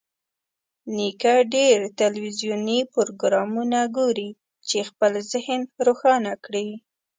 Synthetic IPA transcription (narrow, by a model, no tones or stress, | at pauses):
nikaɖeɾt̪alwizjunipoɾoɡɾɑmunaɡoɾi | t͡ʃexpəlzɪhənɾoxɑnakɽi